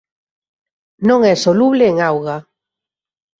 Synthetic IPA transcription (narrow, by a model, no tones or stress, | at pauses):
nõŋɛsoluβleːŋawɣa